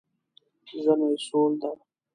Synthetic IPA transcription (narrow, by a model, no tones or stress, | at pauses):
zənesoːld̪a